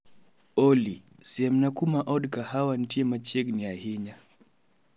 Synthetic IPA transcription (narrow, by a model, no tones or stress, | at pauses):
ɔli | sɛɛmnakumaʔɔɗkahawan̩tiɛmat͡ʃɛɡniahiɲa